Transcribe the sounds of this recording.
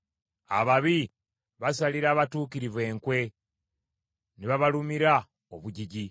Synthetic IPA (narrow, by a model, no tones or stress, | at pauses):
a̰βaβi | βasaliɾaːβatuːkiɾivwe̞ːŋkwe̞ | niβaβalumiɾa | oβuɟiɟi